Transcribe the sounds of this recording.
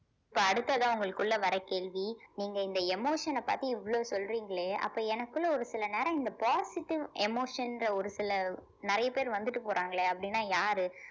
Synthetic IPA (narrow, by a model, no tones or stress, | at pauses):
ɪpːoːɐɽɯt̪ːɐðãːʊŋɡɐɭɯkːɯɭːɐʋɐɾɐkeːɭʋiniːŋɡɐɪnd̪ɐɛmoːʂɐnɐpa̰ːɾt̪iɪʋːɐɭoːsɔlɾiːŋɡɐɭeːʔɐ̰pːoːɛnɐkːɯɭːɐɔɾɯsɪlɐneːɾɐ̃ɪnd̪ɐpaːsɪʈːɪʋɛmoːʂɐnɾɐɔɾɯsɪlɐ | nɪɾɐjɐpeːɾʋɐnd̪ɯʈːɯpoːɾʔaːŋɡɐɭeːɐpːɐɽɪnːaːjaːɾɯ